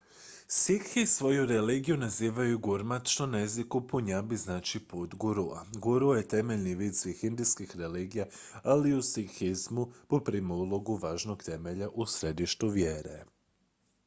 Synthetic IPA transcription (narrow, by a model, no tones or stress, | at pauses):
sikxisʋo̞juɾeliːɡijunaziːʋajuɡuɾmat̪t͡ʃt̪onaezikupuɲabiznaːt͡ʃipuːt̪ɡuɾua̰ɡuɾujet̪e̞meʎniʋiːd̪sixind̪iskixɾeliːɡija | aliusikxizmupopɾiːmoulˠo̞ɡuʋaːʒno̞ɡt̪e̞meʎaʔusɾe̞d̪iʃt̪uʋjeːɾḛ